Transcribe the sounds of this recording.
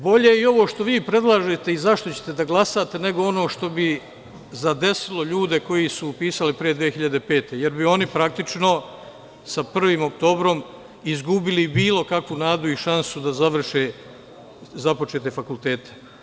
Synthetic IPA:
bo̞ʎe̞io̞ʋoʃt̪o̞ʋiːpɾe̞d̪lˠaːʒe̞t̪e̞izaʃt̪o̞t͡ɕe̞̥t̪e̞d̪aɡlˠasat̪e̞ne̞ɡoo̞no̞ːʃt̪o̞bi | zad̪e̞silo̞ʎuːd̪e̞ko̞jisuːpiːsalipɾijed̪ʋijexiʎad̪e̞pe̞ːt̪e̞je̞ɾbio̞nipɾak̚t̪it͡ʃno̞ | sapr̩ʋiːmo̞k̚t̪o̞ːbɾo̞m | izɡubilibiːlˠo̞kakʋunaːd̪uiʃansud̪azaʋr̩ʃe | zapo̞t͡ʃe̞ːt̪e̞fakult̪e̞ːt̪e̥

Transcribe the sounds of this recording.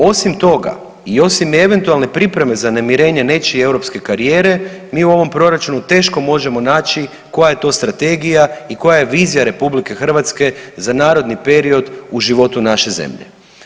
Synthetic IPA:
o̞simt̪o̞ɡa̰ | io̞sime̞ʋe̞nt̪ualˠne̞pɾipɾe̞me̞zanemiɾe̞ːɲe̞ne̞t͡ʃie̞wɾo̞pske̞kaɾijeːɾe̞miːuo̞ʋo̞mpɾo̞ɾat͡ʃunut̪e̞ːʃko̞mo̞ʒe̞mo̞naːt͡ʃi | ko̞jaje̞t̪o̞ːst̪ɾat̪e̞ɡijaiko̞jajeʋiːzijaɾe̞publike̞xr̩ʋat̪ske̞zanaːɾo̞d̪nipe̞ɾio̞d̪uʒiʋo̞t̪unaʃe̞zḛmʎḛ

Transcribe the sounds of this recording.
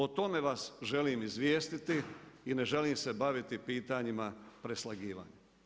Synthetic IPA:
ot̪o̞me̞ʋasʒe̞liːmizʋjeːst̪it̪iine̞ʒe̞liːmse̞baʋit̪ipiːt̪aɲimapɾe̞slaɡiːʋa̰ːɲe

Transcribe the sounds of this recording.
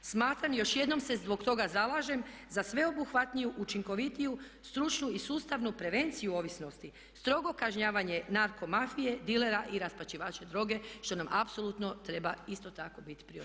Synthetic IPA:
smaːt̪ɾamjo̞ʃje̞d̪no̞mse̞zbo̞ɡt̪o̞ɡazalaʒe̞mzasʋe̞o̞buxʋat̪nijuʔut͡ʃiŋko̞ʋit̪iju | st̪ɾut͡ʃnuisuːst̪aʋnupɾe̞ʋe̞nt̪sijuo̞ʋisno̞st̪i | st̪ɾo̞ɡo̞kaʒɲaːʋaɲe̞naɾko̞mafije̞d̪ile̞ɾaʔiɾaspat͡ʃiʋaːt͡ʃed̪ɾo̞ːɡe̞ʃt̪o̞namʔapso̞lˠut̪no̞t̪ɾe̞baist̪o̞t̪ako̞bit̪i̥pɾio

